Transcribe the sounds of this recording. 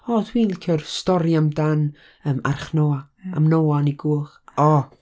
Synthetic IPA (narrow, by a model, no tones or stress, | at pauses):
ɔdʰwiːnikʰərstɔɾjamdan | əːma̰rχnoːa | a̰mnoaniɡuːχɔ